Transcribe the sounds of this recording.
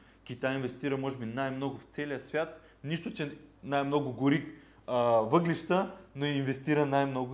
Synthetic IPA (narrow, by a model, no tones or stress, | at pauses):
kʲit̪ajinvɛst̪iɾəmɔʒɛbinajmnoɡʊft̪sɛlijəsvʲjat̪ | niʃt̪ʊt͡ʃɛnajmnoɡʊɡʊɾik | əvɤɡliʃt̪ənoiinvɛst̪iɾənajmnoɡʊ